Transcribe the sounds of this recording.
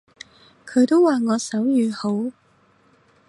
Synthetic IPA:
kʰɵ˨˧ɥt̪o˥wwaː˨ŋɔː˨˧sɐ˨˥wjyː˨˧ho˨˥w

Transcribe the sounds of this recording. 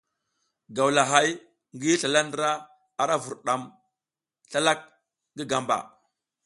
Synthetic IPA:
ɡa˨wla˨ɦa˦j | ŋɡi˦ɬa˨la˦ndɾa˦ | a˨ɾa˦vu˨ɾɗa˨m | ɬa˦la˦k̚ | ŋɡi˦ɡa˨mba̰˨

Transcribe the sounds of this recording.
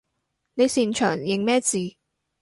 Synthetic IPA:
ne˨˧jsiː˨nt͡ʃʰœː˨˩ŋjɪ˨ŋmɛː˥t͡siː˨

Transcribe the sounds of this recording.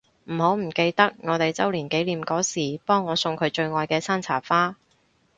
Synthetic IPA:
m̩˨˩ho˨˥wm̩˨˩ke˧jt̪ɐ˥k̚ŋɔː˨˧t̪e˨jt͡sɐ˥wliː˨˩nke˨˥jliː˨mkɔː˨˥siː˨˩pɔː˥ŋːɔː˨˧sʊ˧ŋkʰɵ˨˧ɥt͡ʃɵ˧ɥŋɔː˨˧jkɛː˧saː˥nt͡sʰa̰ː˨˩faː˥

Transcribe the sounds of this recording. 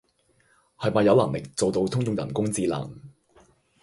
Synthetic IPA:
hɐ˨jmaː˨˩jɐ˨˧wlɐ˨˩lɪ˨k̚t͡so˨wt̪o˧wt̪ʰʊ˥ŋt͡sʊ˨˧ŋjɐ̰˨˩nkʊ˥ŋt͡siː˧la̰ː˨˩ŋ

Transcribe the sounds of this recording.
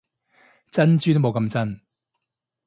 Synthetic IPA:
t͡sɐ˥nt͡ʃyː˥t̪o˥mo˨˧wkɐ˧mt͡sɐ˥n

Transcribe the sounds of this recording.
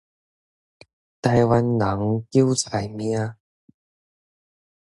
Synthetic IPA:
t̪a˧jwa˧nla˨˦ŋki˥˦˥wt͡sa˨˩jmj̃ã˧˦

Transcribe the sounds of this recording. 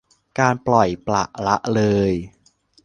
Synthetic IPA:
kaː˧nplɔ˨˩jpla̰˨˩ʔla˦˥ʔlɤː˧j

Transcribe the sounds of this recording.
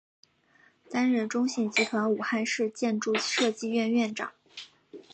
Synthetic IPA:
t̪a˥nɻə˥˩nʈ͡ʂʊ˥ŋɕi˥˩ŋt͡ɕi˧˥t̪ʰwa˧˥nu˨˩xa˥˧nʂɻ̩˥˧t͡ɕjɛ˥˧nʈ͡ʂu˥˧ʂɤ˥˧t͡ɕi˥˧ɥɛ˥˧nɥɛ˥˩nʈ͡ʂɑ̰˨˩˦ŋ

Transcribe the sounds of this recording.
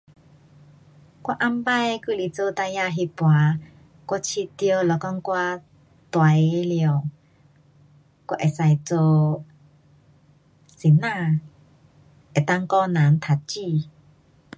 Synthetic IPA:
kwa˧˦ʔa˧˥mba˥˧˨jku˧˨li˨t͡so˧t̪a˧ja˧ɦi˧pwa˨˧˦ | ka˧˥t͡ɕʰi˧t̪jo˧lɔ˨˧kɔ˧˥ŋkwa˧ | t̪wa˨˦jljə˨˩w | kʷa˧˦ʔe˨˩sa˧˩jt͡so˧ | si˨na˧ | ʔe˨t̪a˧ŋkɔ˧na˨˦nt̪ʰa˨˧t̚t͡ɕi˧˨

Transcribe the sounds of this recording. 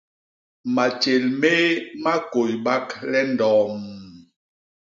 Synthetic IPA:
ma˨t͡ʃe˨lme˦ma˦ko˨jba˦klɛ˦ndɔː˨m

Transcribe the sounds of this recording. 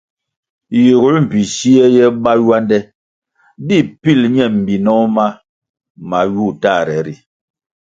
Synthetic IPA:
ji˨ɣu˦lm̩˨pi˨si˦ɛ˦jɛ˦ɓa˦jwa˦ndɛ˦ | bi˦˨pi˦˨lɲɛ˦˨m̩˨bi˨nɔ˦ma˦ | ma˨ju˦˨ta˦˨ɾɛ˨˦ɾi˨

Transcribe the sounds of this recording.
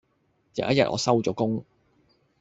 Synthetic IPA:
jɐ̰˨jɐ˥t̚jɐ˨t̚ʔɔ̰ː˨˧sɐ˥wt͡sɔː˨˧˥kʊ˥ŋ

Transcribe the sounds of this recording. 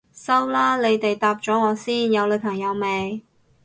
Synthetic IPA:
sɐ˥wlaː˥le˨˧jt̪e˨jt̪aː˧p̚t͡ʃɔː˨˥ŋɔː˨˧siː˥njɐ˨˧wlɵ˨˧ɥpʰɐ˨˩ŋjɐ˨˧wme˨˧j

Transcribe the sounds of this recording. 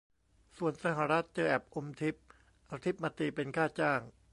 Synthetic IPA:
su˨˩ənsa˧ɦa˨˩ɾa˦˥t̪̚t͡ɕɤː˧ʔɛː˨˩p̚ʔo˧mt̪ʰi˦˥p̚ | ʔaː˧t̪ʰi˦˥p̚ma˧t̪iː˧pe˧nkʰaː˥˩t͡ɕaː˥˩ŋ

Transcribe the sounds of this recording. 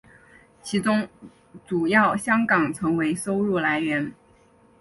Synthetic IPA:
t͡ɕʰi˧˥t͡sʊ˥ŋ | t͡su˨˩jɑ˥˩ʊɕjɑ˥ŋkɑ˨˩ŋt͡sʰɤ˧˥ŋwe˧˥ɪso˥ʊɻu˥˩la˧˥ɪɥɛ˧˥n

